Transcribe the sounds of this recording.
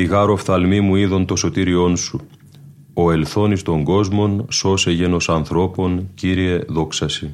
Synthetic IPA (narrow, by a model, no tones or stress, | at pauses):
iɣɐɾo̞fθɐlmimuiðo̞nt̪o̞so̞t̪iɾio̞nsu | oe̞lθo̞nist̪o̞ŋɡo̞zmo̞nso̞se̞ʝe̞no̞sɐnθɾo̞po̞nciɾie̞ðo̞ksɐsi